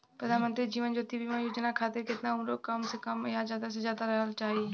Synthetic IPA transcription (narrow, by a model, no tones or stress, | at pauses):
pɾəd̪ʱaːnmənt̪ɾid͡ʒiːʋənd͡ʒoːt̪ibimãjoːd͡ʒənakʰaːt̪ɪɾkɪt̪ɪnãũːɾokəmsekəmjazjaːd̪as̬ezjaːd̪aɾəɦəlt͡ʃaːɦiː